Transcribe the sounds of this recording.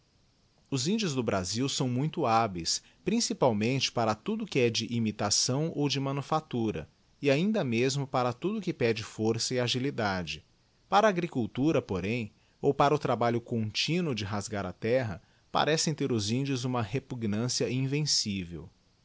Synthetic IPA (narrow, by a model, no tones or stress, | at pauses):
ʊzĩnd͡ʒʊzd̪ʊbɾaziwsɐ̃w̃mũj̃t̪ʊabejs | pɾĩsipawmẽnt͡ʃɪ̥paɾɐt̪ud̪ʊkɪɛd͡ʒɪʔimit̪asɐ̃w̃owd͡ʒɪmɐ̃nufat̪uɾɐ̰ | ɪaĩnd̪ɐmezmʊpaɾɐt̪ud̪ʊkɪpɛd͡ʒɪfoɾsɐɪaʒilid̪ad͡ʒɪ | paɾɐːɡɾikuwt̪uɾɐpoɾẽj̃ | owpaɾɐʊt̪ɾabaʎʊkõt͡ʃĩnʊd͡ʒɪɦazɡaɾɐt̪ɛɦɐ | pa̰ɾɛsẽj̃t̪eɾʊzĩnd͡ʒʊzũmɐhepuɡnɐ̃siɐĩvẽsivḛw